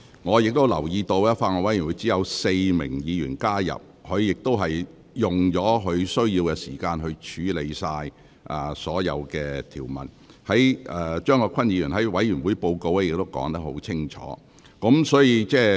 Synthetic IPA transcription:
ŋɔː˨˧jɪ˨k̚t̪o˥wlɐ˨˩wjiː˧t̪o˧wɛ˥faː˧ŋɔː˨˧wɐ˨˥jwu˨˥t͡si˨˥jɐ˨˧wse˧jmɪ̰˨˩ŋjiː˨˧jyː˨˩nkaː˥jɐ̰˨p̚hɵ˨˧ɥjɪ˨k̚t̪o˥wɦɐ˨j | jʊ˨˩ŋt͡ʃɔː˨˥ɦɵ˨˧ɥsɵ˥ɥjiː˧wkɛ˧siː˨˩kaː˧nɦɵ˧ɥt͡ʃʰyː˨˥le˨˧jsaː˧j | ʔaː˨˩sɔː˨˥jɐ̰˨˧wkɛː˧t̪ʰiː˨˩wmɐ̰˨˩n | hɐ˨˥jʔɛː˨t͡ʃœː˥ŋːɔː˨˧kʰɐ˥njiː˨˧jyː˨˩nɦɐ˨˥jwɐ˨˥jyː˨˩nwuː˨˥jpo˧wko˧wɛ˥jɪ˨k̚t̪o˥wkɔ̰ː˨˥ŋt̪ɐ˥k̚hɦo̰˨˥wt͡sʰɪ˥ŋt͡ʃʰɔ̰ː˨˥ | kɔ˨˥msɔː˨˥jiː˧t͡sɛː˥˩

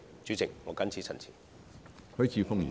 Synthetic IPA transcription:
t͡ʃyː˨˥t͡sɪ˨k̚ŋɔː˨˧kɐ˥nt͡sʰiː˨˥sʰɐ̰˨˩nt͡sʰiː˨˩ | hɵ˥jt͡sʰiː˨˧fʊ˥ŋjḭː˨

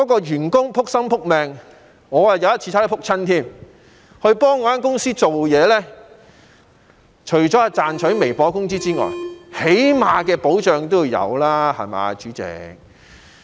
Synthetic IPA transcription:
kkɔː˨˥kɔː˧jyː˨˩nkʊ˥ŋpʰʊ˥k̚sɐ˥mpʰʊ˥k̚mɛː˨ŋ | ŋɔː˨˧jaː˨˩jɐ˨˧wjɐ˥t̚t͡ɕʰi˧a˥pʰʊ˥k̚t͡sʰɐ˥nt̪ʰiː˥˩m | hɵ˧ɥpɔː˥ŋːɔː˧jaː˥nk̬ʊ˥ŋsiː˥t͡so˨wjɛː˨˧lɛː˥ | t͡ʃʰɵ˨˩ɥt͡ʃɔː˨˥aː˧t͡saː˨nt͡ʃʰɵ˨˥jme˨˩jpɔː˨˥kʊ˥ŋsiː˥t͡siː˥ŋɔ̰ː˨jhe˨˥jmaː˨˧kɛː˧po˨˥wt͡ʃœː˨ŋt̪o˥wu˨˧jɐ̰˨˧wlaː˥hɐ̰˨jma̰ː˨˧t͡ʃyː˨˥t͡sɛ̰˨˧k̚

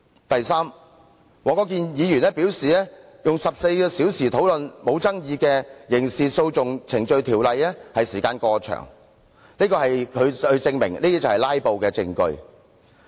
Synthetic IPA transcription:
t̪ɐ˨jsaː˥m | ŋɔː˨˧kɔː˨˥k̬iː˧njiː˨˧jyː˨˩nɛː˥piː˨˥wsiː˨lɛ˥ | jʊ˨ŋsɐ˨p̚se˧jkɛː˧siː˨˥wsiː˨˩t̪ʰo˨˥wlɵ˨nmo˨˧wt͡sɐ˥ŋjiː˨˧kɛː˧jɪ˨˩ŋsiː˨t̚so˧wt͡sʊ˨ŋt͡sʰɪ˨˩ŋt͡ʃɵ˧ɥt̪ʰiː˨˩wlɐ˨jlɛː˥hɐ˨jsiː˨˩kaː˧nkɔː˧t͡ʃʰœ̰ː˨˩ŋ | liː˥kɔː˧hɐ˨jkʰɵ˨˧ɥɵ˧ɥt͡sɪ˧ŋmɪ˨˩ŋliː˥t̪iː˥t͡sɐ˨˩hɐ˨˩laː˥jpo˨wkɛː˧t͡sɪ̰˧ŋkɵ̰˧ɥ

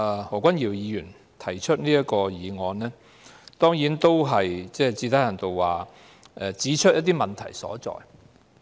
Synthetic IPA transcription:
hɔː˨˩kʷɐ˥njiː˨˩wjiː˨˧jyː˨˩n | t̪ʰɐ˨˩jt͡ʃʰɵ˥t̚niː˥ɐ˥kɔː˧jiː˨˧ŋɔː˨˧nnɛː˥ | t̪ɔː˥ŋjiː˨˥nt̪o˥wɦɐ˨jt͡sɛː˥t͡siː˧t̪ʰaː˨˥jhɐ˨˩nt̪o˨wwaː˨ | ʔɛ˨˧t͡siː˨˥t͡ʃʰt̚jɐ˥t̪̬iː˥mɐ˨nt̪ʰɐ˨˩jsɔ̰ː˨˥t͡sɔ̰ː˨˩j

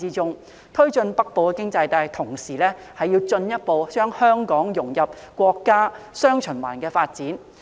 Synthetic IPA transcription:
iː˧t͡sʊ˧ŋ | t̪ʰɵ˥ɥt͡ʃɵ˧npɐ˥k̚po˨wkɛː˧kɪ˥ŋt͡sɐ˧jt̪aː˧jt̪ʰʊ˨˩ŋsiː˨˩lɛː˥ | hɐ˨jiː˧wt͡sɵ˧njɐ˥t̚po˨˧wt͡ʃœː˥ŋhœː˥ŋkɔː˨˥ŋjʊ˨˩ŋjɐ˨p̚kʷɔː˧kːaː˥ | sœː˥ŋt͡ʃʰɵ˨˩nwa̰ː˨˩nkɛː˧faː˧t̚t͡siː˨˥n

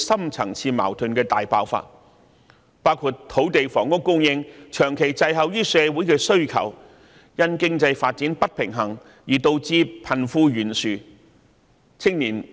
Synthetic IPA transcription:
sɐ˥mt͡sʰɐ˨˩ŋt͡sʰiː˧ma̰ː˨˩wt̪ʰɵ˨˧nkɛː˧t̪aː˨jpa̰ː˧˥wfa̰ː˧t̚ | paː˥wkʰuː˧t̚t̪ʰo˨˥wt̪e˨jfɔː˨˩ŋkʊ˥kːʊ˥ŋjɪ˧ŋt͡ʃʰœː˨˩ŋkʰe˨˩jt͡sɐ˧jɦɐ˨wjyː˥sɛː˨˧wu˨˥jkɛː˧sɵ˥ɥkʰɐ̰˨˩w | jɐ˧nkɪ˥ŋt͡sɐ˧jfaː˧t̚t͡siː˨˥npɐ˥t̚pʰɪ˨˩ŋɦɐ˨˩ŋ | jiː˨˩t̪o˧wt͡siː˧pʰɐ˨˩nfuː˧jyː˨˩nsyː˨˧ | t͡sʰɪ˥ŋniː˨˩n

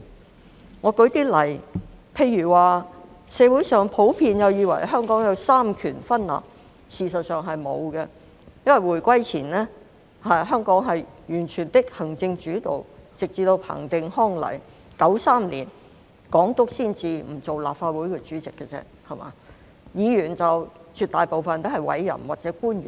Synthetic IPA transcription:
ŋɔː˨˧kɵ˨˥t̪iː˥lɐ˨˩jpʰe˧jːyː˨˩waː˨ | sɛː˨˧wu˨˥jsœː˨ŋpʰo˨˥wpʰiː˧njɐ˨˧wjiː˨˧wɐ˨˩jɦœː˥ŋkɔː˨˥ŋjɐ˨˧wsaː˥mkʰyː˨˩nfɐ˥nla̰ː˨p̚ | siː˨sɐ˨t̚sœː˨ŋɦɐ˨jmo̰˨˧wɡɛ˧ | jɐ˥nwɐ˨˩jwuː˨˩jkʷɐ˥jt͡sʰiː˨˩nlɛː˥ | hɐ˨ɦœː˥ŋkɔː˨˥ŋɦɐ˨jjyː˨˩nt͡ʃʰyː˨˩nt̪ɪ˥k̚hɐ˨˩ŋt͡sɪ˧ŋt͡ʃyː˨˥t̪o̰˨˩wt͡sɪ˨k̚t͡siː˧t̪o˧wpʰa̰ː˨˩ŋt̪ɪ˧ŋhɔː˥ŋlɐ̰˨˩j | kɐ˨˥wsaː˥˩mlḭː˨˩n | kɔː˨˥ŋt̪ʊ˥k̚siː˥nt͡siː˧m̩˨˩t͡so˨wlaː˨p̚faː˧t̚wu˨˥jkɛ˧t͡syː˨˥t͡sɪ˨kːə˧t͡sɛ̰˥ | hɐ˨ma̰ː˨˧ | jiː˨˧jyː˨˩nt͡sɐ˨wt͡ʃyː˨t̪̚aː˨jpo˨wfɐ˨nt̪o˥whɐ˨˩jwɐ̰˨˥jːɐ̰˨˩nwaː˨˩t͡sɛː˨˥kuː˥njyː˨˩n

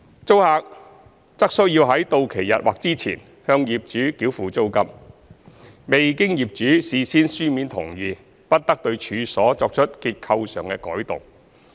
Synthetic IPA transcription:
t͡so˥whaː˧k̚ | t͡sɐ˥k̚sɵ˥ɥjiː˧wɦɐ˨˥jt̪o˧wkʰe˨˩jɐ̰˨t̚wa̰ː˨k̚t͡siː˥t͡sʰḭː˨˩n | hœː˧ŋjiː˨p̚t͡ʃyː˨˥kiː˨˥wfuː˨t͡so˥wkɐ˧p̚ | me˨jkɪ˥ŋjiː˨˩p̚t͡ʃyː˨˥siː˧siː˥nsyː˥miː˨˥nt̪ʰʊ̰˨˩ŋjyː˨ | pɐ˥t̚t̪ɐ˥k̚t̪ɵ˧ɥt͡ʃʰyː˨˧sɔː˨˥t͡sɔː˧k̚t͡ʃʰɵ˥t̚kiː˧t̚kʰɐ˧wsœː˨ŋkɛː˧kɔ̰ː˨˥jt̪ʊ̰˨˩ŋ

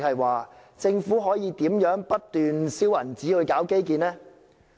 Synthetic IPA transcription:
k̚hɐ˨jwaː˨t͡sɪ˧ŋfuː˨˥ɦɔː˨˥jiː˨˧t̪iː˨˥mjœː˨˥ŋpɐ˥t̚t̪yː˨nsiː˥wjɐ̰˨˩nt͡siː˨˥ɵ˨˧jkaː˨˥wke˥jk̬iː˧nlɛː˥

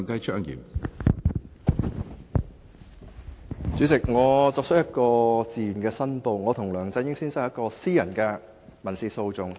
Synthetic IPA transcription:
ŋkɐ˥jt͡ʃʰœː˥ŋjḭː˨˩m | t͡syː˨˥t͡sɪ˨k̚ŋɔː˨˧t͡sɔː˧k̚t͡ʃʰə˥jɐ˥t̚kɔː˧t͡siː˨˩nkɛː˧sɐ˥npo˧wŋɔː˨˧t̪ʰʊ˨˩ŋlœː˨˩ŋt͡sɐ˧jɪ˥ŋsiː˥nsɐ˥jɐ˥tkɔː˧siː˥jɐ˨˩nkɛː˧ | mɐ˨˩nsiː˧so˧wt͡sʊ˨ŋ

